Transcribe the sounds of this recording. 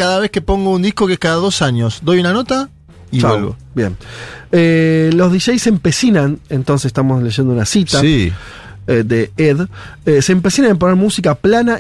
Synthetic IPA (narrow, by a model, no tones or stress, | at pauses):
kaðaβeskepo̞ŋɡound̪ihko̞keskaðaðo̞saɲosd̪o̞junanot̪a | it͡ʃaalɣo̰bjḛnelo̞zðiʃejsempesinanent̪o̞nsese̥t̪amosle̞ʒend̪unasit̪ai | ed̪eeð | eseːmpesinanemp̬oneɾmusikaplana